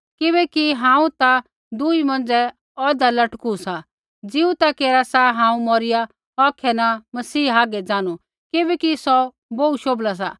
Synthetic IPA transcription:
kɪβɛkiɦãːũt̪a | d̪uimɐ̃nd͡zɛ | ɔːd̪alɐʈkusa | d͡zɪũt̪akeːɾasaɦãːũmɔːɾɪja | ɔːkʰɛnamɐsiːaːɡɛd͡zaːnu | kɪbɛkisɔ | bouʃoːblas̬a̰

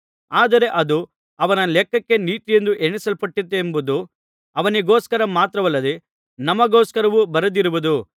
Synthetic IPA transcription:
aːd̪ɐɾe̞ʔɐd̪u | ɐʋɐnɐlɛkːɐkːe̞niːt̪ijend̪uʔeɳisɐlpɐʈːit̪ːeːmbud̪u | ɐʋɐniɡoːskɐɾɐmaːt̪ɾɐʋɐlːɐd̪e̞ | nɐmːɐɡoːskɐɾɐʋubɐɾɐd̪iɾuʋud̪u

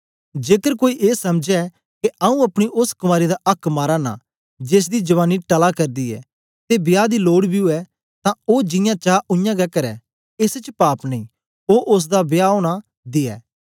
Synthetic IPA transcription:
d͡ʒeːkəɾkoːiʔeːsɐmd͡ʒɛ | keaũɐpɽ̃iʔʊskʊmaːɾid̪aʔɐkʰmaːɾaːna̰ː | d͡ʒeːs̬d̪id͡ʒɐʋaːnːiʈɐlakɐɾd̪iːɛ̰ː | t̪ebjaːd̪iloːɽbʱiʊɛ | t̪ãoːd͡ʒɪ̃jãːt͡ʃaːʔʊjãːɡɛkəɾɛː | ɪst͡ʃpaːpnɐ̃ĩː | oːʔʊs̬d̪abjaːoːɽ̃a | d̪ɪɛ̰ː

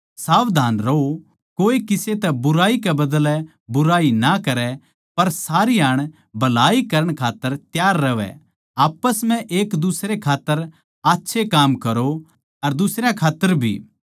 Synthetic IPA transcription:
saːʋd̪ʱaːnɾɐo | koːikɪset̪ɛbʊɾaːikɛbɐd̪əlɛ | bʊɾaːinɐkɐɾɛ | pɐɾsaːɾiaːɽ̃ | bɐlaːikɐɾəɽ̃kʰaːt̪ːəɾt̪jaːɾːɐʋɛ̰ | aːpəsm̤ɛ̃ʔeːkd̪usɾekʰaːt̪ːəɾ | aːtːʃʰekaːmkɐɾo | ɐɾd̪ʊsɾjakʰaːt̪ːəɾbʱḭː

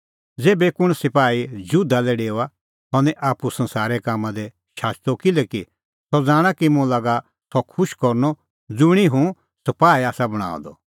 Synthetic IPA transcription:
d͡zeːbɛkʊɽ̃sɪpaːid͡ʒud̪alɛɖeːua | t̪ɔnɛʔaːpusɐ̃nsaːɾɛkaːmːãd̪ɛ | ʃaːst̪ɔkɪlɛki | sɔd͡zaːɽ̃akimũlaɡa | sɔkʰʊʃkɔɾnɔ | d͡zʊɽ̃iɦũ | sɐpaːiaːsabɐɽ̃ã̰ːd̪ɔ

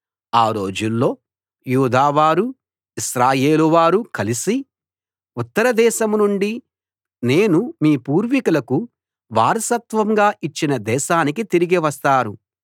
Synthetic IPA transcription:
aːɾo̞ːd͡ʒulːo̞ː | juːd̪aːʋaːɾu | isɾaːjeːluʋaːɾukɐlisi | ut̪ːɐɾɐd̪ɛːʃɐmnuɳɖi | ne̞ːnumiːpuːɾʋikulɐku | ʋaːɾɐsɐt̪ʋɐŋɡaːʔit͡ʃːinɐd̪ɛːʃaːnikit̪iɾiɡiʋɐst̪aːɾu

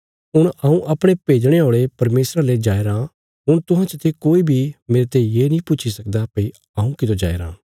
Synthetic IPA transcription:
ɦʊɽ̃ɐũʔɐpɽ̃epeːd͡ʒɽ̃eoːɭepɐɾmeːsɾaled͡ʒaːeɾãː | ɦʊɽ̃t̪ʊɦãt͡ʃət̪ʰikoːibʱimeːɾet̪ejeːnĩːpʊːt͡ʃʰisɐkd̪apɐi | ɐũkɪt̪od͡ʒa̰ːḛɾã̰ː

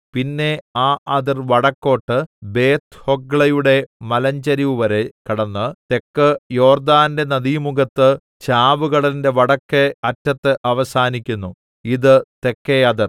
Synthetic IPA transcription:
pinːe̞aːʔɐðirʋɐɽɐkːo̞ːʈːɨbe̞ːt̪hoɡɭɐjuɽe̞mɐlɐɲd͡ʑɐɾiʋuʋɐɾe̞kɐɽɐnːɨt̪e̞kːɨjo̞ːrd̪aːnde̞nɐðimuɡɐt̪ːɨ | t͡ɕaːʋuɣɐɭinde̞ʋɐɽɐkːeɐtːɐt̪ːɨʔɐʋɐsaːnikʲːunːu | iðɨt̪e̞kːeɐðir

